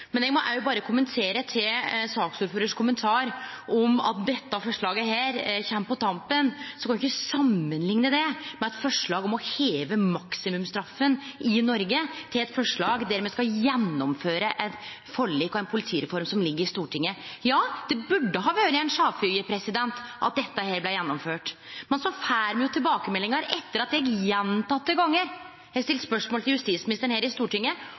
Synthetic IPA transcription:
mɛnɛɡmɔʔæbɑːɾəkʰʊmənt̪ʰeːɾət̪ʰɪlsɑːksuːɾføːɾəʂkʰʊmənt̪ʰɑːɾʔɔmɑ̰t̪̚d̪ɛt̪ːəɑfɔʂɭɑːɡəɦæːɾçɛmːpɔt̪ʰɑmpənsɔkʰɑnɪɪçkːəsɑmːənlɪŋnəd̪ɛmɛɛt̪fɔʂɭɑːɡɔmɔheːʋəmɑksɪmʉmst̪ɾɑfːənɪnɔɾɡət̪ʰɪlɛt̪fɔʂɭɑːɡd̪æɾmɛskɑjɛnːɔmføːɾəʔɛt̪ | fɔɭːiːkːɔɛɪnpʰʊlɪt̪ʰiːɾɛfɔɾmsɔmlɪɡːəɾɪst̪uːʈʰɪŋːəjɑːd̪̥ɛbʉɖːəɦɑːʋøːɾəɛɪnʂɑːʋfyəpʰɾɛsɪd̪ɛnt̪ʔɑ̰t̪̚d̪ɛt̪ːəheːɾblæjɛnːɔmføːʈ | mɛnsɔfæːɾmɛjʊt̪ʰɪlbɑːkəmɛlːɪŋəɾɛt̪ːəɾɑt̪jɛɡjɛnt̪ɑt̪ːəɡɑŋːəɾ | jæɡst̪ɪləspœʂmoːlt̪ɪljʉst̪iːt̪smɪnɪst̪əɳheːɾɪst̪uːʈɪŋːə

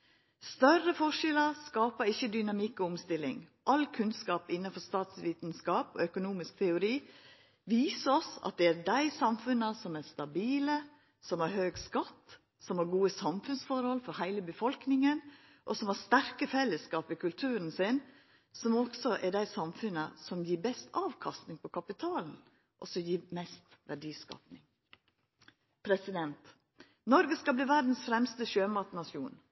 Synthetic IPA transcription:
st̪œɾəfɔʂɛləɾskɑːpəɾɪçːəd̪ʏnɑmɪkːɔʊmst̪ɪlːɪ̰ŋʔɑlkʰʉnskɑːpɪnːɑfɔɾst̪ɑːt̪sʋiːt̪nskɑːpɔ̰œkʊnuːmɪsk̚t̪ʰɛʊɾiː | ʋiːsəɔsɑ̰t̪̚d̪ɛæɾdæɪsɑmfʉnɑsɔmæɾst̪ɑbiːlə | sɔmhɑɾhøːɡskɑt̪ː | sɔmhɑɾɡuːəsɑmfʉnsfɔɾhɔlfɔɾhæɪləbəfɔlknɪŋən | ʔɔsɔmhɑɾst̪æɾkəfɛlːəskɑːpɪkʰʉlt̪ʰʉːɾənsɪn | sɔmɔɡsɔʔɛd̪æɪsɑmfʉnəsɔmjiːbɛst̪ɑːʋkʰɑst̪nɪŋpʰɔkʰɑpɪt̪ʰɑːln̩ | ʔɔsɔjiːmɛst̪ʋæɖiːskɑ̰ːpnɪŋ | pʰɾɛsɪd̪ɛnt̪ | nɔɾɡəskɑbliːʋæd̪n̩sfɾɛmst̪əʃøːmɑt̪nɑsjuːn

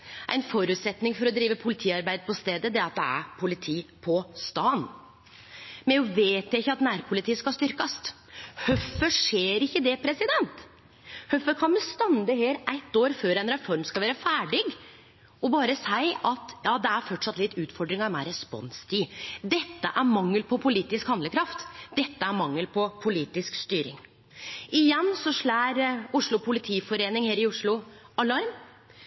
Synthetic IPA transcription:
ʔæ̰ɪnfɔɾʉːt̪sɛt̪nɪŋfɔɾɔd̪ɾiːʋəpʰʊlɪt̪ʰiːɑɾbæɪd̪əpʰɔst̪eːd̪əd̪ɛɑt̪̚d̪ɛæ̰ɾpʰʊlɪt̪ʰiːpʰɔst̪ɑːn | mɛnʊʋeːt̪jæɪçːəɑt̪næːɾpʰʊlɪt̪ʰiːskɑst̪ʏɾkɑst̪ | hœfːəʂeːɾɪçːəd̪ɛpʰɾɛsɪd̪ɛnt̪ | hœfːəkʰɑnmɛst̪ɑnd̪əheːɾæɪt̪ːoːɾføːɾɛɪnɾɛfɔɾmskɑlʋæːɾəfæːɖɪɡ | ɔbɑːɾəsæɪʔɑt̪jɑːd̪ɛæɾfɔʈʂɑt̪lɪt̪ːʉːt̪fɔɖɾɪŋɑɾmæɪɾɛspɔ̰nst̪ʰiːd̪ɛt̪ːəʔæɾmɑŋːəlpʰɔpʰʊliːt̪ɪskhɑnd̪ləkʰɾɑft̪d̪ɛt̪ːəæɾmɑŋːəlpʰɔpʰʊliːt̪ɪskst̪yːɾɪ̰ŋ | ɪjɛnːsɔʂɭæːɾʊʂɭʊpʰʊlɪt̪ʰiːfɔɾeːnɪŋheːɾɪʊʂɭʊɑlɑɾm

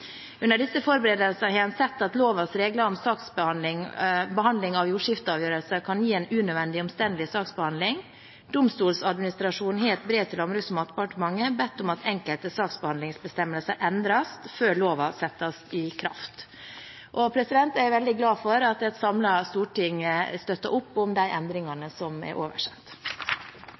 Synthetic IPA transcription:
ʉnːəɖɪsːəfɔɾbəɾeːd̪əlsəhɑɑnsɛt̪ːɑt̪loːʋɑsɾeːɡlɑɾɔmsɑːksbɑɪŋbəɦɑnd̪lɪŋɑʋjuːʂɪft̪əɑːʋjøːɾəlsəkʰɑnjiːɛːnʉːnœʋɛnd̪ɪɔmst̪ɛnd̪lɪsɑːksbəhɑnd̪lɪŋ | d̪ʊmst̪uːlsɑd̪mɪnɪst̪ɾɑʂuːnɦeːt̪bɾeːt̪ʰɪlɑmɾʉːsmɑt̪pʰɑʈmɑŋːəbɛt̪ːʊmɑt̪ʰɛŋkəlt̪əsɑːksbəhɑnd̪lɪŋsbəst̪ɛməlsəʔɛnd̪ɾɑsføːɭoːʋɑsɛt̪ːɑsɪkʰɾɑ̰ft̪ | ʔɔpʰɾɛsɪd̪ɛnt̪æɾʋɛld̪ɪɡlɑːfɔɾɑt̪ɛt̪sɑmlɑst̪uːʈɪŋəst̪œt̪ːɑ̰ʔʊpːʊmd̪æɪʔɛnd̪ɾɪŋɑnəsɔmɛ̰ɾʔoːʋə̰ʂɛt̪ː

